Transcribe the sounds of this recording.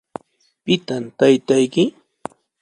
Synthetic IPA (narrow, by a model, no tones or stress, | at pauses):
pɪt̪amt̪ajt̪ajkɪ